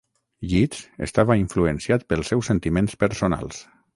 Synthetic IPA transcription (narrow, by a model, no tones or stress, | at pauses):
ʎisḛst̪aβaiɱfluensiat̪̚pəlˠsːɛwsent̪imẽnspəɾsona̰lˠs